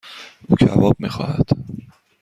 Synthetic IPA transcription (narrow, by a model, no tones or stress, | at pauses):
ʔuːcʰævɒːb̥̚mixɒ̰ːhæd̪̥